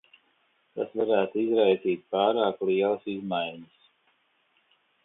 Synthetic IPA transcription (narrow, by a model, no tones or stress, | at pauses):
t̪a̰svaɾæːt̪uizɾajziːt̪̚paːɾaːkliɛləsizmajɲɪs